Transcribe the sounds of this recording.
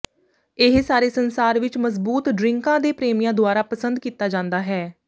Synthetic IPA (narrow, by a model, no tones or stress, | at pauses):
ɪɦsaːɾeːsənsaːɾʋɪt͡ʃməzbuːt̪ɖɾɪŋkãːd̪eːpɾeːmijãːd̪ʊaːɾaːpəsənd̪kiːt̪aːd͡ʒãːnd̪aːɦɛː